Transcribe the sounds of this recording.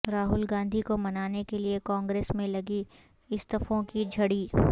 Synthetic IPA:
ɾaːɦʊlɡãːnd̪ʱikomɐnaːnekeliekɔ̃ːŋɡɾeːsmẽlɐɡi | ɪst̪ɐfõkid͡ʒʱɐɽiː

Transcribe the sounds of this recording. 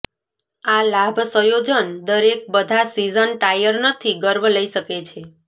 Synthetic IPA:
alabʱəsəjod͡ʒənd̪əɾek̚bəd̪ʱasizənʈajəɾnət̪ʰiɡəɾbʱləiʃəket͡ʃʰe

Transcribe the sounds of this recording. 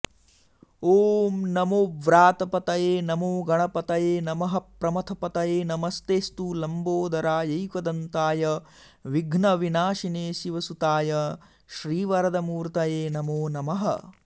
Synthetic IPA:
oːmnɐmoːʋɾaːt̪ɐpɐt̪ɐjeːnɐmoːɡɐɳɐpɐt̪ɐjeːnɐmɐɦɐ̆pɾɐmɐt̪ʰɐpɐt̪ɐjeːnɐmɐst̪eːst̪ulɐmboːd̪ɐɾaːjɐjkɐd̪ɐnt̪aːjɐ | ʋiɡʱnɐʋinaːʃineːʃiʋɐsut̪aːjɐ | ʃɾiːʋɐɾɐd̪ɐmuːɾt̪ɐjeːnɐmoːnɐmɐɦɐ̰

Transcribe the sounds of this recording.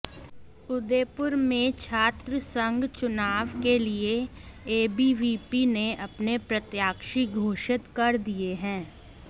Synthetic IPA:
ʊd̪eːpʊɾmẽt͡ʃʰaːt̪ɾəsə̃ŋɡt͡ʃʊnaːʋkelieeːbiʋiːpineʔɐpnepɾɐt̪jaːkʃiɡʱoːʃɪt̪kɐɾd̪ieɦɛ̃ː

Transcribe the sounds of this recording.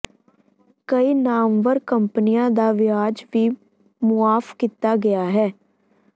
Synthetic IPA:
kəiːnaːmʋəɾkəmpnijãːd̪aːʋɪaːd͡ʒʋiː | mʊaːfkit̪aːɡɪjaːɦɛː

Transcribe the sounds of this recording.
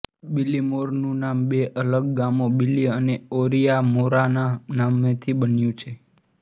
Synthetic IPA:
bilːimoɾnũnambeʔələɡ̚ːamobilːiəneoɾijamoɾananamet̪ʰibənjũt͡ʃʰe

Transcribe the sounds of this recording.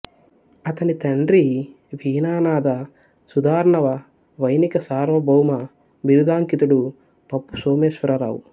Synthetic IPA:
ɐt̪ɐnit̪ɐɳɖɾi | ʋiːnaːnaːd̪ɐ | sud̪aːɾɐɳɐʋɐ | ʋɐjnikɐsaːɾʋɐbʱɐwmɐ | biɾud̪aːŋkit̪uɽu | pɐpːusoːmeːʃʋɐɾɐɾa̰ːwu

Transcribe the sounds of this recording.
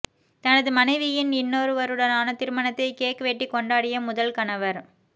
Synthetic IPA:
t̪ɐnɐðɯmɐnɐɪʋɪjɪnɪnːoːɾɯʋɐɾɯɽɐnaːnɐt̪ːɪɾɯmɐnɐt̪ːɐɪkeːʈkːɐʋeːʈːɪkːɔɳɖaːɽɪjɐmʊðɐlkɐnɐʋɐɾ

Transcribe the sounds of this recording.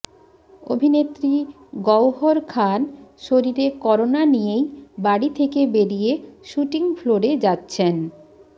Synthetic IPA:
o̰bʱinet̪ːɾi | ɡɔwɦoɾkʰanʃoɾiɾekɔɾonanijejbaɽit̪ʰekebeɾijeʃuʈiŋfloɾed͡ʑatːɕʰen

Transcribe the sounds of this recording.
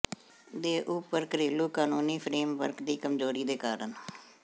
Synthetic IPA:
d̪eːʔʊpəɾkəɾiːluːkaːnuːniːpʰɾeːmʋəɾkd̪iːkəmzoːɾiːd̪eːkaːɾən

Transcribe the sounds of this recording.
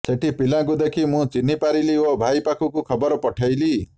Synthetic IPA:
seʈʰipilãkud̪ekʰimũt͡ʃinːipaɾiliobʱajpakʰukukʰɔbɔɾɔpɔʈʰajli

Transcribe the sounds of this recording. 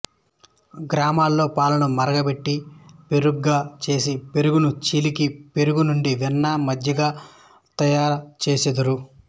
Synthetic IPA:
ɡɾaːmaːlːo̞ːpaːlɐnɐmɐɾɐɡɐbe̞ʈːipe̞ɾuɡːaːt͡ʃe̞ːsipe̞ɾuɡunut͡ʃiːlikipe̞ɾuɡunuɳɖiʋɛnːaːmɐd̪ʱjɐɡaː | t̪ɐjaːɾɐt͡ʃe̞ːsed̪ɐɾu

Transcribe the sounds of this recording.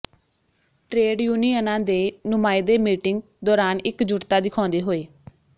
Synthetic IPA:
ʈɾeːɖjuːniːənãːd̪eːnʊmaːeːd̪eːmiːʈɪŋɡ | d̪ɔːɾaːnɪkd͡ʒʊɾt̪aːd̪ɪkʰɔ̃ːnd̪eːɦoːeː

